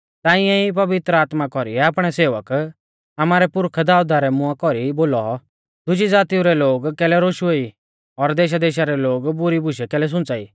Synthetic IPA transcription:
t̪aːɪ̃ɛip̬ɐʋɪt̪ɾəaːt̪makɔɾḭɛapɽ̃ɛseːʋək | amaːɾɛpʊɾkʰd̪aːʊd̪aɾɛmʊakɔɾiboːlɔ | d̪ʊd͡ʒid͡zaːt̪iũɾɛloːɡkɛːlɛɾoːʃuei | ɔɾd̪eːʃ̬ad̪eːʃaɾɛloːɡbʊɾibʱʊʃɛkɛːlɛs̬ʊ̃nt͡saḭː

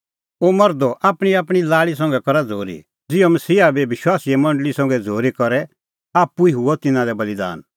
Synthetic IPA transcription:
omɐɾd̪ɔʔaːpɽ̃iaːpɽ̃ilaːɭis̬ɐ̃ŋ̆ɡɛkɔɾad͡zʱoːɾḭ | d͡zɪomɐsiːabeʋɪʃwaːsiɛmɐ̃ɳɖəlisɔ̃ŋ̆ɡɛd͡zʱoːɾikɔɾɛ | aːpːuiɦʊɔt̪ɪnãlɛbɐlid̪a̰ːn

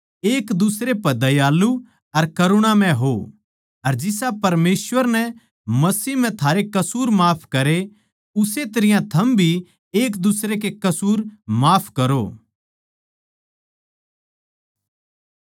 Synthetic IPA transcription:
eːkd̪ʊsɾepɐd̪ɐjaːlu | ɐɾkɐɾʊɽ̃amɛ̃ɦo | ɐɾd͡ʒɪsapɐɾmeːsʋəɾnɛ | mɐsiːɦm̤ɛ̃t̪ʰaːɾekɐsuːɾmaːpʰkɐɾe | ʊset̪ɐɾɪjãt̪ʰɐmbʱi | eːkd̪ʊsɾek̬ekɐsuːɾmaːpʰkɐɾo̰ː

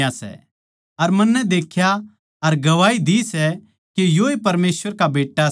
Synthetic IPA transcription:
asɛ̰ | ɐɾmɐnːɛd̪eːkʰja | ɐɾɡɐʋaːid̪isɛ | kejoepɐɾmeːsʋəɾkabeːʈːa

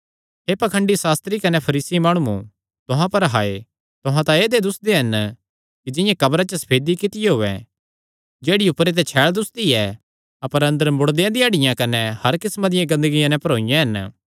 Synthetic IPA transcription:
ɦeːpɐkʰə̃ɳɖisaːst̪ɾikɐnɛpʰɐɾiːsimaːɽ̃ũṵ̃ | t̪ʊɦãpɐɾɦaːe | t̪ʊɦãt̪aeːd̪ed̪ʊsd̪eɦɐn | kid͡ʒɪjãkɐbɾat͡ʃəsɐ̥pʰeːd̪ikɪt̪ɪjeɦoːɛ̰ | d͡ʒeːɽiʊpɾet̪̬ɛt͡ʃʰɛːɭd̪ʊsd̪iɛ | ɐpəɾɐ̃nd̪əɾmʊɽd̪ejãd̪ɪj̃ɐɽɪjãkɐnɛhɐɾkɪsmãd̪ɪjãɡɐ̃nd̪əɡɪjãnɛ̃pɐɾoːɪjãɦɐn

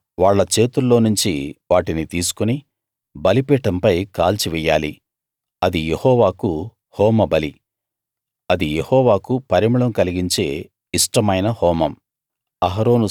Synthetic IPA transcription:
ʋaːɭːɐt͡ʃe̞ːt̪ulːo̞ːnuɲt͡ʃiʋaːʈinit̪iːsu̥kuni | bɐlipɛːʈɐmpɐjkaːlt͡ʃiʋɛjːaːli | ɐd̪ijehɔːʋaːku | hɔːmɐbɐli | ɐd̪ijehɔːʋaːkupɐɾimuɭɐmkɐliɡiɲt͡ʃe̞ː | iʂʈɐmɐjnɐhɔːmɐm | ɐɦɐɾo̞ːnu

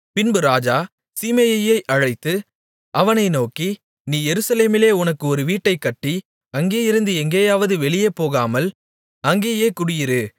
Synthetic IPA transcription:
pɪnbɯɾaːd͡ʒaː | siːmejɐjɐɪʔɐɻɐɪt̪ːɯ | ʔɐʋɐnɐɪnoːki | niːjɛɾɯsɐleːmɪleːʊnɐkːɯɔɾɯʋiːʈːɐɪkːɐʈːi | ɐŋɡeːjɪɾɯnd̪ɯɛŋɡeːjaːʋɐðɯʋɛɭɪjeːpːoːɣaːmɐl | ɐŋɡeːjeːkʊɽɪjɪɾɯ

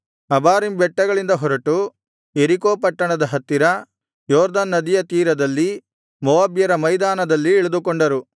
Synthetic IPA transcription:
ɐbaːɾimbɛʈːɐɡɐɭind̪ɐɦɔɾɐʈu | eɾikoːpɐʈːɐɳɐd̪ɐɦɐt̪ːiɾɐ | jɔːɾd̪ɐnːɐd̪ijɐt̪iːɾɐd̪ɐlːi | mɔʋaːbjɐɾɐmɐjd̪aːnɐd̪ɐlːiɛɭɐd̪ukoɳɖɐɾu

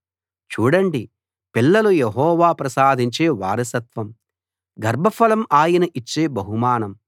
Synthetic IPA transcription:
t͡ʃuːɽɐɳɖi | pilːɐlujeɦɔːʋaːpɾɐsaːd̪ʱiɲt͡ʃe̞ːʋaːɾɐsɐt̪ʋɐm | ɡɐɾbʱɐfʰɐlɐmaːjɐnɐʔit͡ʃːeːbɐɦumaːnɐm

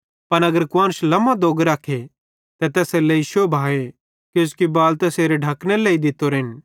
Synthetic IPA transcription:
pɐnɐɡəɾkʊwãːnslɐmãd̪oːɡɾaːkʰːe | t̪ɛt̪ɛːseleiːʃuebʱaːe | keʊskibaːlt̪ɛseːɾeɖʱɐkneleːid̪ɪt̪ːoɾɦɪn

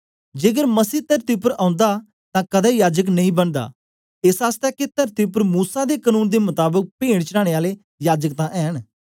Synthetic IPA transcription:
d͡ʒeːɡəɾməsiːt̪ɐɾt̪iʊp̬əɾãːʊ̃nd̪a | t̪ãːkəd̪ɛjaːd͡ʒək̬nɐɦĩːbənd̪a̰ː | esaːst̪ɛːket̪ɐɾt̪iʊpəɾmuːsad̪ekənũːnd̪emʊt̪aːbək̚peːɽ̃t͡ʃəɾaːɽ̃eaːle | jaːd͡ʒək̚t̪ãʔɛːɦən

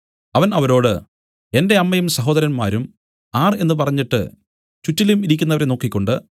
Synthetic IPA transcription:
ɐʋɐnɐʋɐɾo̞ːɽɨ | e̞nde̞ɐmːɐjumsɐɦo̞ːd̪ɐɾɐnmaːɾum | aːre̞nːɨp̬ɐrɐɲːiʈːɨ̰ | t͡ɕutːilumiɾikʲːunːɐʋɐɾeno̞ːkːikʲːo̞ɳɖɨ

